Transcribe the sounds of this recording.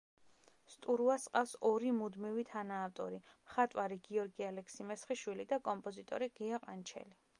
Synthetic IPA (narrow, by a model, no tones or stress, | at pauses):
st̪ʼuɾuasqʼafsɔɾimud̪mivit̪ʰanaːft̪ʼɔ̰ɾimχat̪ʼwaɾiɡiɔɾɡialɛksimɛsχiʃwilid̪akʼɔmpʼɔzit̪ʼɔ̰ɾiɡiaqʼant͡ʃʰɛ̰li